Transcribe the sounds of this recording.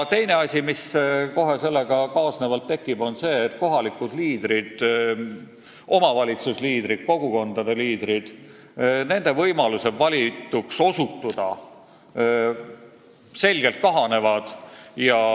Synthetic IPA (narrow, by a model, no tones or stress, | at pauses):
t̪e̞jne̞ɑsʲimisko̞ɦe̞se̞lːe̞ɡ̥ɑkɑːsnevɑlt̪ːekːˑib̥o̞nse̞ːt̪ko̞ɦɑlikud̪̥liːd̪̥ɾid̪̥ | ʔo̞mɑvɑlʲit̪susliːd̪̥ɾid̪̥̚ko̞ɡ̥uko̞nd̪̥ɑd̪e̞liːd̪ɾid̪̥ | ne̞nd̪̥e̞vɤjmɑluse̞vɑlʲit̪ːˑukso̞sut̪ːud̪̥ɑ | se̞lʲɡ̥e̞lt̪̚kɑɦɑne̞vɑd̪̥jɑ